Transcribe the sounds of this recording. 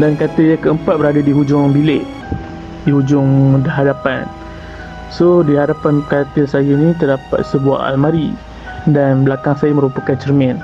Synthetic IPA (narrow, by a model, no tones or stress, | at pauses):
dankat̪əjakəəmpat̪̚bəɾadadiɦud͡ʒʊŋbilɪʔ | diɦud͡ʒʊŋmudaɦadapa̰n | sodiɦadapankaat̪əsajanĩt̪ərdapa̰t̪̚səbua̰ʔa̰lmaɾi | danblakaŋsajamə̃ɾupakant͡ʃərmɛn